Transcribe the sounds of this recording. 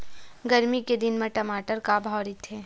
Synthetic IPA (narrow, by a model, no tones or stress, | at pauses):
ɡɐɾmiked̪ɪnmẽʈɐmaːʈəɾkabʱɔːɾit̪ʰːeː